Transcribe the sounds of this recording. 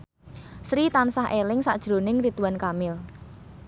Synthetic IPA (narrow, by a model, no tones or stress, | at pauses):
sɾit̪ansaɦʔelɪŋsa̰ʔd̥ʒ̥ɾonɪŋɾit̪uwankamɪl